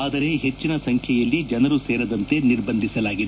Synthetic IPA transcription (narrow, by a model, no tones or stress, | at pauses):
aːd̪ɐɾe̞ɦet͡ʃːinɐsɐŋkʰjɛjɐlːid͡ʒɐnɐɾuseːɾɐd̪ɐnt̪e̞niɾbɐnd̪ʱisɐlaːɡid̪e